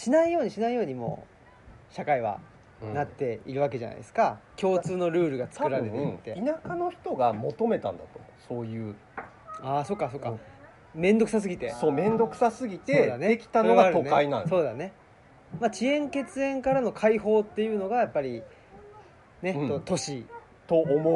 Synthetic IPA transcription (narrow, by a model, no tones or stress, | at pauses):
ɕinaijo̞ːɲ̟iɕinaijo̞ːɲ̟imo̞̰ː | ɕakaiβa̰ | nat̪ːe̞ḭɾɯ̟β̞ake̞ʑa̰na̰ḭsɨ̥kakʲo̞ːt͡sɨːno̞ɾɯ̟ːɾɯ̟ɡat͡sɨ̥kɯ̟ɾaɾɾe̞t̪eit̪ːeinakano̞çi̥t̪o̞ɡamo̞t̪o̞me̞t̪ã̰nd̪at̪o̥ | so̞ːjɯ̟ː | aːso̞kːaso̞ːkːa | mẽ̞nd̪o̞kɯ̟s̬as̬ɨɡʲit̪e̞soːmẽ̞nd̪o̞kɯ̥sasɨɡʲit̪eoːd̪aneekʲi̥t̪anoɡaaɾɯoneainãso̞ːd̪ane̞ | mat͡ɕiẽ̞ŋke̞t͡sɨẽ̞ŋkaɾano̞kʰaiho̞ːt̪ːe̞jɯ̟ːno̞ɡajapːaɾʲi | ne̞ot̪o̞ɕi | t̪o̞ːmo